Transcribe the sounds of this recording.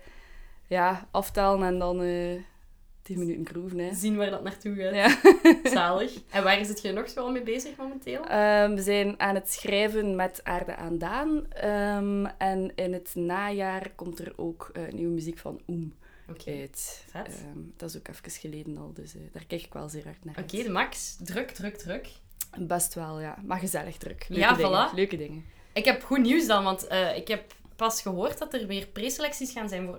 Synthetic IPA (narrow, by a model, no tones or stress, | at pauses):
jaːɑftaːlənɛndɑnəː | tinmənytənkruːvənɛzinʋaːrdɑtnaːrtuajaːaːləxɛnʋaːrɪzətxənɔxsoɛlˠmeːbeːzəxmomɛnteːlˠəːʋəzɛːnaːnətsxrɛːvənmɛta̰ːrdə̰ʔa̰ːndaːnəmɛnɪnətnaːjaːrkɔmtəro̰ːkə̰nʔiwəmyzikfɑ̰num | okœtɛəmd̥ɑzoːkɛfkəsxəleːdənɑ̰lˠdəsəːd̥aːrkɛjkɪ̥kʋɛ̰lˠzeːrɦɑrtnaːrokeːdəmɑksdrɵkdrɵɡ̚drɵk | bɛstʋɛlˠja̰ːmaɣəzɛlˠəɣdrɵ̰kløaːədɑlaløːkədɪŋə | ɪkɛpxuniwsdɑnʋɑntəːɪkɛpː | ɑsxəɦoːrtdɑtərʋɪːrpreːselɛksisxaːnzɛjnvoːr